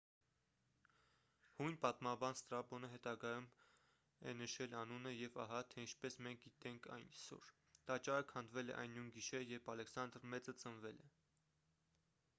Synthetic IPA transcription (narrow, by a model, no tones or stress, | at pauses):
hujnpɑt̪mɑbɑnst̪ɾɑbɔnəɦɛt̪ɑɡɑjum | ɛ̰nəʃɛlɑnunəjɛvɑ̰ɦɑt̪ʰɛint͡ʃʰpɛsmɛŋk̚ʰɡit̪ɛŋkʰɑ̰jnisɔ̰ɾ | t̪ɑt͡ʃɑɾəkʰhɑnd̪vɛlɛ̰ʔɑ̰jnːunɡiʃɛjɛɾpʰɑlɛksɑnd̪ɾmɛt͡sət͡sənvɛlɛ